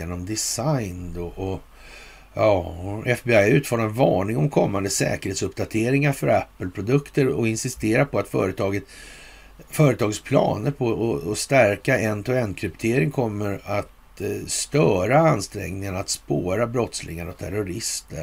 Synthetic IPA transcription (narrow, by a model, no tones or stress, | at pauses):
eːnɔmd̪ɪsajnd̪ɔʔɔ | ɑːɛfbeajɛɾʉ̟ːt̪fɔːɾmavɑːɳɪŋɔmkʰɔmːand̪əsɛ̰ːkəɾeːt̪sɵpd̪at̪ʰeːɾɪŋaɾfœɾæpːəlpʰɾʊd̪ɵkt̪əɾɔɪnsɪst̪eːɾapʰɔat̪fœ̰ːɾət̪ʰɑːɡət̪ | fœːɾət̪ʰɑːɡət̪spʰlɑ̰ːnəɾpʰɔɔɔst̪æɾkaɛnt̪ʰɔɛnːkʰɾɪpt̪ʰeːɾɪŋkʰɔmːəɾat̪ | st̪œːɾaanst̪ɾɛ̰ŋnɪŋənat̪spoːɾabɾɔt̪slɪ̰ŋaɾɔt̪ʰæɾʊɾɪst̪ə